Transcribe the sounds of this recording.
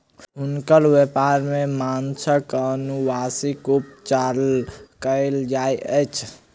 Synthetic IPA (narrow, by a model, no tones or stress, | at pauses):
unkəlʋepaɾmemansəkənubasikup̚t͡ʃaɾlkəɪld͡ʒajəjt͡ʃʰ